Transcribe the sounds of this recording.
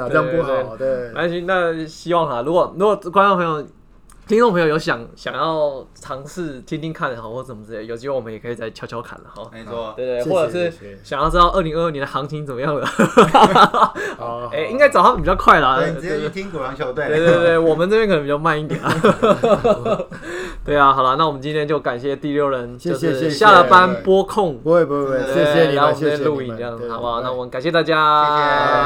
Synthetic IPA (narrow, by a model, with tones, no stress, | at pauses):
e˥˩˥a˧˥ɕy˥˩na˥˩ɕi˦˥wɑ˥˨˩ŋlɐ˨lu˧˥kwɔ˨˩lu˧˥kwɔ˨˩˥kwa˥nt͡so˥˩pʰə˧˦jo˨˩ʊ | t̪ʰi˥nʈ͡ʂo˥˩ŋpʰə˧ŋjo˧˩jo˧˥ʊɕ̬jɑ˨˩˦ŋɕjɑ̰˨˩ŋjɑ˥˩ʊʈ͡ʂʰɑ˧˥ŋʂɻ̩˥˩t̪ʰjɛ˥nt̪i˥˧ŋkʰa˥˩nd̪ə˨˩hɔ˨˦xwɔ˥˩ə˨˩mə˦t͡s̩˥˩je˨˩jo˨˩ɕʰi˧˥we˥˧wɔ˨mə˦jɛ˨˩kʰɤ˧˥i˨˩t͡sa˥˩ɪt͡ɕʰjʊt͡ɕʰjɑ˧˥ʊkʰa̰˨˩nlə̰˩xɔ̰˧˦˧we˥˩ɪt̪e˥˩wɔ˥˩ʈ͡ʂɤ˨˩ʂɻ̩˥˩ɕɑ˨˩ŋjɑ˥˩ʊʈ͡ʂ̩˥d̪ɑ˥˧ʊʔə˥˩li˧˥ŋə˥˧ə˥˩nɛ˧nd̪ə˨˩ɑ˧˥ŋt̪ʰi˥ŋt͡sə˨˩mə˦jɑ˥˩ŋd̪ə˩ | e˥˧ɪi˥ŋka˥ɪt͡sɑ˨˩ha˥˩mə˨˩pi˨˩t͡ɕjʊkʰwa˥˩ɪlə˨˥˧t̪ʰi˥ŋku˨˩ɑ˧˦ŋo˧˦ʊt̪e˥˩e˥˧t̪we˥˧t̪we˥˩ɪwɔ˨˩mə˦nt͡sɤ˥˩pʰjɛ˥kʰə˨˩nə˧˩pi˨˩t͡ɕɑ˥˧ma˥˧ni˥˩t̪jɛ̰˨˩n˨˩ | t̪we˥˩ɪa˨˩xɑ˨˩ʊla˦na˥˩wɔ˨˩mə˦t͡ɕi˦nt̪ʰjɛ˥nt͡ɕjo˥˧ʊka˨˩nɕjɛ˥˧t̪i˥˧ljo˥˩ʊɻə˧˦nt͡ɕo˥˧ʊ˧˥˧ɕja˥˧lə˧˩pa˦npwɔ˥kʰʊ˥˨ŋe˥˧˥ | ə˨˧˥jlu˥˧i˥˩n˥˧jɑ˥˩ŋzɑ˨˩ʊba˨˩˦na˥˩wɔ˨˩mə˦nka˨˩nɕjɛ˥˧t̪a˥˧˩t͡ɕja˦